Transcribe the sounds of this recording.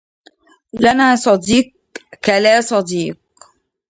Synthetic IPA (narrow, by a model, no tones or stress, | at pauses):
lanaːsˤɑd̪iːq̚ | kalaːsˤɑd̪iːq̚